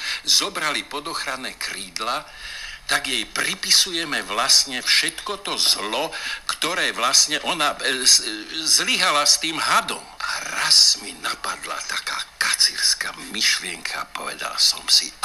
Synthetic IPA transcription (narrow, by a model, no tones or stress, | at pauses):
zɔbɾalipɔd̪ɔxɾanɛːkɾiːd̪lat̪aɡjɛjpɾipisujɛmɛʋlasɲɛfʃɛt̪kɔt̪ɔzlɔkt̪ɔɾɛːʋlasɲɛʔɔna | zliɦalast̪iːmɦad̪ɔ̰mʔaɾazminapad̪la̰t̪akaːkat͡siɾskamiʃlɪɛŋkʰa̰pɔ̰ʋɛ̰d̪a̰lsɔ̰msḭ